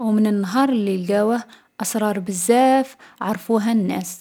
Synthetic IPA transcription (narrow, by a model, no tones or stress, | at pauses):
wmənənːɑɦɑɾˤlːilɡæwə | ʔɑsɾˤɑɾˤbəzːæfʕɑɾˤfuɦænːæ̰s